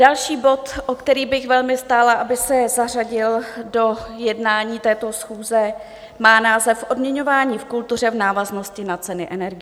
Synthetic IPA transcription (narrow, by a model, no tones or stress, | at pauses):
dalʃiːbo̞t̪ʔokt̪ɛɾiːbɪxvɛlmɪst̪aːlaʔabɪsɛzar̝aɟɪldo̞jɛdnaːɲiːt̪ɛːt̪o̞sxuːzɛ | maːnaːzɛfʔo̞dmɲɛɲo̞vaːɲiːfkult̪ur̝ɛvnaːvazno̞scɪnat͡sɛnɪʔɛnɛɾɡɪ